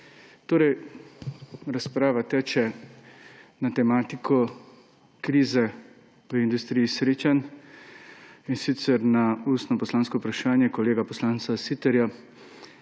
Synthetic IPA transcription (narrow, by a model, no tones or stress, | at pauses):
t̪oːɾɛj | ɾaspɾaːʋat̪ɛːt͡ʃɛ | nat̪ɛmaːt̪ikʰɔ | kɾiːzɛ | ʋəind̪ust̪ɾiːjisɾeːt͡ʃan | insit̪sɛɾnaust̪nɔpɔslaːnskɔupɾaʃaːnjɛkɔleːɡapɔslaːnt̪sasit̪ɛɾja